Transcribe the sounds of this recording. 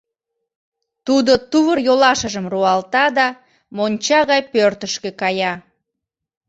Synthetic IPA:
t̪ud̪ot̪uβərjolɑʃəʒəmruɑlt̪ɑd̪ɑ | monʲt͡ɕɑɣɑjpørt̪əʃkekɑjɑ

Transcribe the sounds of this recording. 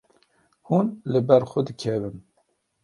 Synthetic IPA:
hunləbɛɾxʊd̪ɨkʰɛvɨm

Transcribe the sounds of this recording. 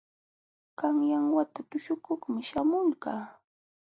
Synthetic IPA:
kaŋjaŋwat̪at̪ʊʃʊkoχmɪʃamʊlɢaː

